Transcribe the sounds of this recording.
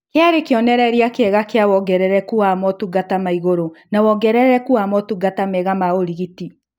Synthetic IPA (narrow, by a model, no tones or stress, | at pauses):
keaɾekeɔnɛɾɛɾiakɛɣakeawɔɡɛɾɛɾɛkuamɔtuɡatamaiɣoɾonawɔɡɛɾɛɾɛɾɛkuamɔtuɡatamɛɣamaoɾiɣiti